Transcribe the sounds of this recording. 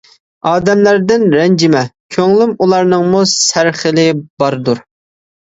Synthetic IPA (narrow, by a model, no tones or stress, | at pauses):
ɑːd̪ɛmlæɾd̪ɪnɾɛnd͡ʒɪmɛkʲʰøŋlɪmulˠɑɾnɨŋmusæɾχɪlɪbɑɾd̪uɾ